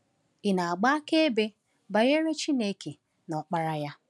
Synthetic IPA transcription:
ɪ˨na˨a˨ɡ͡ba˦ke˦e˦be˦ | ba˨ɣe˦ɾe˦t͡ʃi˦ne˨˦ke˨ | nɔ˨k͡pa˦ɾa˦ja˦

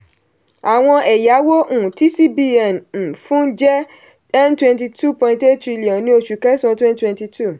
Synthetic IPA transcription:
a˨w̃ɔ̃˧ʔɛ˨ja˨˦wo˦ʔũ˨ti˦si˦bi˦ɛ˨n̩˨fũ˦d͡ʒɛ˦ | ɛ˦ntwɛ̃˧nti˧tʰu˦pɔ̃˧ĩ˧te˦tɾi˧li˨ɔ̃˨nĩ˧˦o˧ʃu˨kɛ˦sɔ̃˧tɛ̃˦ntwɛ̃˧nti˧tʰu˦˨

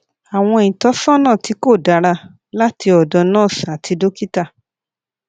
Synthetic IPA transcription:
a˨w̃ɔ̃˧e˨ĩ˨tɔ˨˦sɔ̃˦nãː˦˨ti˨˧˦ko˦˨da˨˧˦ɾa˧ | la˦ti˧ɔ˨dɔ˨˧nãː˦˨sa˨tʰi˧do˦ki˦ta˦˨

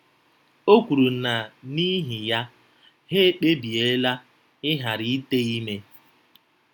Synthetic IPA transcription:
o˦kʷu˨ɾu˨n̩˦˨na˨ni˦ɦi˨ja˦ | ɦe˦e˦k͡pe˦bi˨e˨˦la˦ | ɪ˦ɦa˨ɾi˦i˦te˦i˦me˦

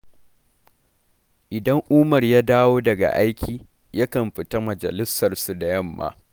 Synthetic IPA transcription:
ʔɪ˨dɐ˦ŋʔuː˦mɐ˨rjaː˦daː˦woː˦dɐ˨ɡa̰˨ʔa˦jkʲʰiː˨ | ja˦kɐ˨mɸɪ˨ta˦mɐ˨d͡ʒɐ̰˨lɪ˦sːɐ˨rsu˨da˨jɐ˦˨mːa̰ː˦

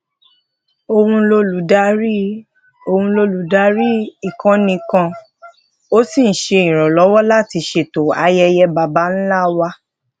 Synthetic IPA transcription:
o˧hũ˧lo˧lu˨da˦ɾi˦ | o˧hũ˧lo˧lu˨da˨˦ɾi˦i˨kã˧nĩ˧kã˧ | o˦si˦˨n̩˨˦ʃe˧ĩ˨ɾ̃ɔ̃˨lɔ˨˦wɔ˦la˦˨ti˧ʃe˧˨to˨a˧jɛ˧jɛ˧ba˨ba˨˦n̩˦la˦˨wa˦

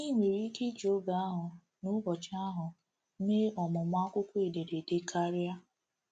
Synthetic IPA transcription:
i˦ŋʷe˨ɾi˦ke˦d͡ʒo˦ba˨a˦ɦʊ˨ | nʊ˦ɡɔ˨t͡ʃɪ˦a˦ɦʊ˨˦ | me˦ɔ˨mʊ˨ma˦kʷʊ˦kʷe˨de˨ɾe˨de˦kʰa˦ɾja˦

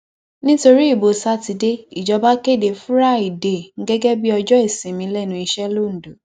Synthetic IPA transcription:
nĩ˦to˧ɾi˦i˦˨bo˨sa˦ti˧de˦i˨d͡ʒɔ˧ba˦ke˦˨de˨fu˦ɾa˦˨i˨de˨ŋ̩˦ɡɛ˦ɡɛ˦bi˦ɔ˧d͡ʒɔ˦e˦˨sĩ˨mĩ˧lɛ˦˨nũ˧i˧ʃɛ˦lo˦˨n̩˨do˨

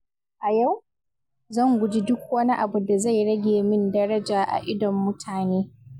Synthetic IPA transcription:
ʔa˨ja˦˨w | zɐ˦˨ŋɡʷʊ˨d͡ʒi˦dʊ˦kʷwɐ˦ni˦ʔa˨bu˨da˨za˦˨jɽɐ˦ɡʲeː˨mɪ˦ndɐ˦ɽɐ˦d͡ʒaː˨ʔa̰˨ʔɪ˦dɔ˨mːʊ˦tʰaː˨neː˦

